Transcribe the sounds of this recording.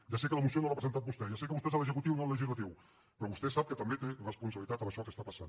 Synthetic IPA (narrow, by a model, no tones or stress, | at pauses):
ʒasɛkələmus̬ionoapɾəzent̪at̪̚bust̪ɛjasɛkəβust̪ɛzələzəkut̪iwnoləʒizlət̪iw | pɾɔβust̪ɛsap̚kət̪əmbet̪erəspunsəβlit̪at̪əməʃɔkəst̪apɐsa̰n